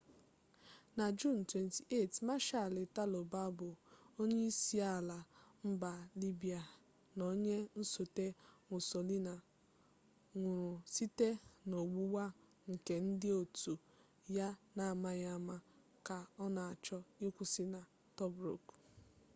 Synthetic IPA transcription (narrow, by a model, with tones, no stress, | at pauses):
na˨d͡ʒu˦˨n̩˨twe˨nti˨ʔe˦˨tma˦ʃa˨lɪ˨ta˦lo˨ba˦bʊ˨o˦ɲe˦i˦si˦a˦˨la˨m̩˦ba˨li˦bi˨a˨ | no˦ɲe˦n̩˦so˨te˦ŋʷʊ˨so˨li˦na˨ | ŋʷʊ˨ɾʊ˨si˦te˦no˨ɡ͡bu˦wa˦ | ŋ̩˨ke˨n̩˦dɪ˦o˨tu˨ | ja˦na˨ma˦ja˦˨ma˦ | ka˨ɔ˦na˨a˨t͡ʃɔ˦i˦kʷʊ˦sɪ˦na˨ | tɔ˦bɾo̰˨k